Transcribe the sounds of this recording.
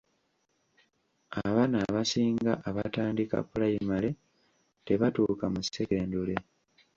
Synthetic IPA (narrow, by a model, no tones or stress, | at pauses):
aβanaβasiːŋɡaʔaβataːndika̰pulajimale̞ | te̞βatuːkamuseeːndule